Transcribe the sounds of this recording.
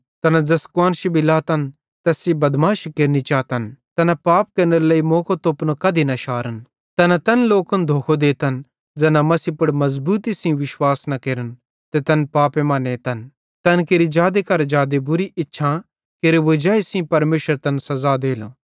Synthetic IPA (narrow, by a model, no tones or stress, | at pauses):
t̪ɐnad͡zɐskwaːnʃibʱilaːt̪ɐn | t̪ɛsibɐd̪maːʃkeːɾnit͡ʃaːt̪ɐnt̪ɐnapaːp̚keːɾnəɾeləimoːkot̪opnõkɐd̪inɐʃaːɾən | t̪ɐnat̪ɐnloːkənd̪ʱoːkʰod̪eːt̪ɐn | d͡zɐnamɐsipʊɽmɐzbuːt̪isĩʋɪʃwaːsnɐkeːɾən | t̪ɛt̪ɐnpaːpemaːnet̪ɐn | t̪ɐnkeɾid͡ʒaːd̪ekɐɾd͡ʒaːd̪ebʊɾiɪtːʃʰã | keɾeʋod͡ʒaːisĩpɐɾmeːʃəɾt̪ɐnsɐzad̪eːlo̰